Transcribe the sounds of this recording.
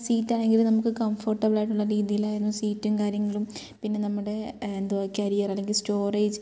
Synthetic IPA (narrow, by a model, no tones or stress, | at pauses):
siːtːaːɭe̞ŋɡilnɐmukːɨkɐmfɐrʈːɐbiɭaːjʈːuɭːɐɾiːðijilaːjɾunːɐsiːtːumkaːɾjɐŋːɐɭum | pinːe̞nɐmːuɽe̞end̪uʋɐkʲːɐɾijɐrɐlːe̞ŋɡilsto̞ːreːd͡ʑ